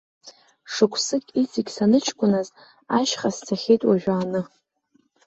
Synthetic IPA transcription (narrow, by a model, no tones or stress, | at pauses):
ʂɨkʷʰsɨkʲʼit͡sʰʼiɡʲsanɨt͡ʃʰkʷʼʊnaz | aʃχast͡sʰaχʲejtʼwaʒᶣaːnɨ